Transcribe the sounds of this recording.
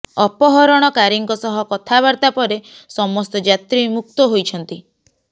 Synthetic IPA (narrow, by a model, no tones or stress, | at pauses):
ɔpɔɦɔɾɔɽ̃ɔkaɾiŋkɔsɔɦɔkɔt̪ʰaβaɾt̪apɔɾesɔmɔst̪ɔd͡ʒat̪ɾimuk̚t̪ɔɦojt͡ʃʰɔnt̪i